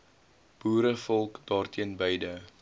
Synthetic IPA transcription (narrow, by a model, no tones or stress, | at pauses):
b̥uːɾəfɔlˠkd̥ɑːrtʰiənbəjdə